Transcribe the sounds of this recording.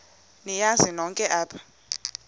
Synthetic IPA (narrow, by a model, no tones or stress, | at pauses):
nijazinɔŋkʼɛʔaːpʰḁ